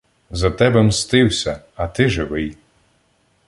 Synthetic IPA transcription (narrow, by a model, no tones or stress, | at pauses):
zɐt̪ɛbɛmst̪ɪwsʲɐ | ɐt̪ɪʒɪʋɪj